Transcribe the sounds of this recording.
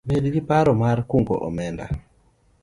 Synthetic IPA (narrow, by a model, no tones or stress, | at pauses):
medɡɪpaɾɔmarkuŋɡo̰ʔɔ̰mɛnda̰